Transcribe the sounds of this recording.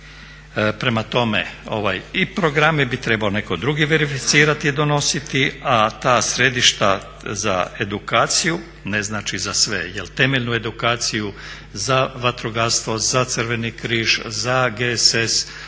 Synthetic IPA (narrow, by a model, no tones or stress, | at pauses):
pɾe̞mat̪o̞mḛo̞̰ʋa̰jipɾo̞ɡɾamebit̪ɾe̞baone̞kod̪ɾuɡiʋe̞ɾifit̪siːɾat̪iːd̪o̞no̞sit̪iat̪aːsɾe̞d̪iʃt̪a | za̰e̞d̪ukaːt̪siju | ne̞znaːt͡ʃizasʋe̞̰jelt̪e̞meʎʲnue̞d̪ukaːt̪siju | zaʋat̪ɾoɡaɾst̪ʋo̞zat̪sɨɾʋe̞nikɾiːʒzaɡeses